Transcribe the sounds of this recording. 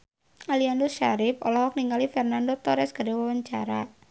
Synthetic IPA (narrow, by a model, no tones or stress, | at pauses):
aliandoʃaɾɪfɔlɔhɔk̚niŋalifɛrnandot̪ɔɾɛsɡadewawaɲt͡ʃa̰ɾa